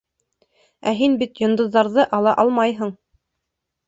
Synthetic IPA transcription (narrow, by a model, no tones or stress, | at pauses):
æɦinbit̪jŏnd̪ɤ̆ðːɑɾðɤʔɑlˠɑʔɑlˠmɑjɦɤ̆ɴ